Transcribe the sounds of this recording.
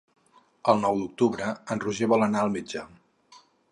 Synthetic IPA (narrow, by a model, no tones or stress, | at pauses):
əlˠnɔwd̪uk̚t̪uβɾəənruʒɛβɔlənaəlˠmid͡ʒə